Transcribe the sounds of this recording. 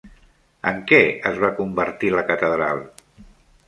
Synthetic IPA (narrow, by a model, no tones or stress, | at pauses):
əŋkɛəzβakumbəɾt̪iləkət̪əðɾalˠ